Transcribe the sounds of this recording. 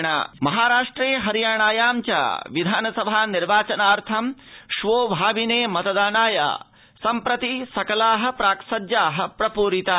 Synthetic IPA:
ɳa̰mɐɦaːɾaːʂʈɾeːɦɐɾijaːɳaːjaːmt͡ʃa̰ːʋid̪ʱaːnɐsɐbʱaːniɾʋaːt͡ʃɐnaːɾt̪ʰɐmʃʋoːbʱaːbineːmɐt̪ɐd̪aːnaːja̰ː | sɐmpɾɐt̪isɐkɐlaːɦɐ̆pɾaːksɐd̪jaːɦɐ̆pɾɐpuːɾit̪a

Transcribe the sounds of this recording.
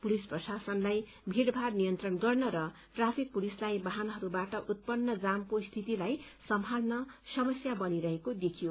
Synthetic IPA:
pulisprʌsasʌnlaj | bʱiɽbʱarnijʌnt̪rʌnɡʌrnʌɾʌ | ʈrapʰik̚pulislajbaɦanɦʌɾubaʈʌʔut̪̚pʌnːʌd͡zamkost̪ʰit̪ilajsʌmɦalnʌsʌmʌsjabʌniɾʌɦekod̪ekʰijo

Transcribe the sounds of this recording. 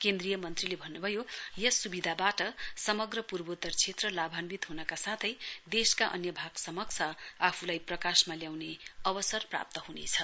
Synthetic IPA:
kend̪rijʌmʌnt̪rilebʱʌnːubʱʌjojʌsubid̪ʱabaʈʌsʌmʌɡrʌpurbot̪ːʌrt͡sʰet̪rʌlabʱanbit̪ɦunʌkasat̪ʰʌjd̪eskaʔʌ̰njʌbʱaɡsʌmʌkt͡sʰʌapʰulajprʌkasmaljawneʌbʌsʌrpra̰p̚t̪ʌɦunet͡sʰʌ

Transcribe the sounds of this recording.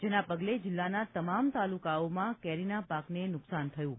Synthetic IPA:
d͡ʒenapəɡled͡ʒɪlːanat̪əmamt̪alukaomãkɛɾinapaknenʊksant̪ʰəjũ

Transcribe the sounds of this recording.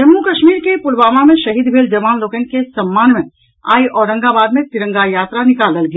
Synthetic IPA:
d͡ʒɐmːukɐʃmiːɾkepʊlʋaːmamẽʃɐɦiːd̪bʱeːld͡ʒɐmaːnloːkenkesɐmːaːnmẽ | a̰ːiʔɔːɾə̃ŋɡabaːd̪mẽt̪ɪɾə̃ŋɡajaːt̪ɾanɪkaːləlɡja

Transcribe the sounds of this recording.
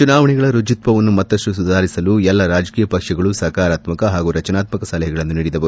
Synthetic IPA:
t͡ʃunaːʋɐɳɛɡɐɭɐɾud͡ʒit̪ʋɐʋɐnːumɐt̪ːɐsʈusud̪ʱaːɾisɐlujɛlːɐɾaːd͡ʒɐkiːjɐpɐkʂɐɡɐɭusɐkaːɾaːt̪mɐkɐɦaːɡuɾɐt͡ʃɐnaːt̪mɐkɐsɐlɐɦɛɡɐɭɐnːuniːɽid̪ɐbɐɾu

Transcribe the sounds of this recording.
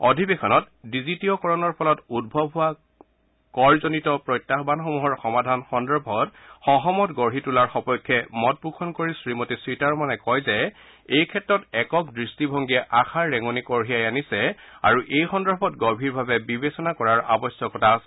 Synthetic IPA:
ɔdʱibexʰɔnɔt | dizitiɔkɔɹɔnɔɹpʰɔlɔtud̚bʱɔbʱʊa | kɔɹzonitɔpɹɔjtːaxbanxomuɦɔɹxɔmadʱanxɔndɹɔbʱɔtxɔɦɔmɔtɡɔɹɦitulaɹxɔpɔjkʰːɛmɔt̚bukʰɔnkoɹisɹimotisɹitaɹmanɛkɔjzɛ | ejkʰɛtɹɔtɛkɔk̚dɹistibʱɔŋɡiɛʔaxʰaɹːɛŋɔnikɔɹɦijajanisɛa̰ɹuʔejxɔndɔbʱɔtɡɔɹbʱiɹbʱabɛbibesɔnakɔɹaɹʔa̰bɔsɔkɔtʰaːsɛ

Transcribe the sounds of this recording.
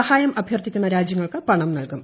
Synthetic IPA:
ɐhaːjɐmɐbʱjɐrt̪ikʲːunːɐɾaːd͡ʑjɐŋːɐɭkɨpɐɳɐmnɐlkum

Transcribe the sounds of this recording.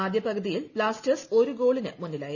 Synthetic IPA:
aːd̪jɐprɐɡɐðijilpɭaːstɐso̞ɾuɡo̞ːɭinɨmunːilaːjɐ

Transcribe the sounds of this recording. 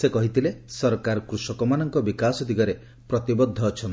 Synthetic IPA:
sekɔɦit̪ʰilesɔɾkaɾɔkɾusɔkɔmanɔŋkɔbikasɔd̪iɡɔɾe | pɾɔt̪ibɔd̪ʱːɔːt͡ʃʰɔn

